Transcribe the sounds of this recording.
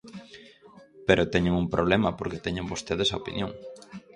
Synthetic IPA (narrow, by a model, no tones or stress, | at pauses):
peɾʔot̪ɛɲoŋuŋpɾʔoβlemɐpoɾket̪ɛɲoŋbost̪eðesaopḭnjõŋ